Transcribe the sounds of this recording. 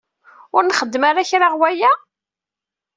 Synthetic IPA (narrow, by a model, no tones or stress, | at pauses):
ʊɾnχəd̪ːəmaɾaçɾaʁwæjæ